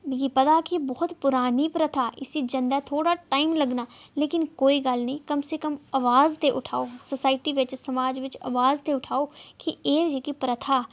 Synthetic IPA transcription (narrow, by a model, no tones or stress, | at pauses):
biɡipɐd̪akibɔɦʊt̪pʊɾaːnipɾət̪ʰaːʔɪ̰sid͡ʒə̃nd̪at̪ʰoːɽaʈaːɪmləɡnaːleːkɪnkoːiɡəlnĩkɐmsekəmɐʋaːzt̪eʔʊʈʰaːososaːɪʈiʋɪt͡ʃsɐmaːd͡ʒʋɪt͡ʃə̰ʋaːzt̪eʊʈʰaːokieːd͡ʒekipɾət̪ʰaː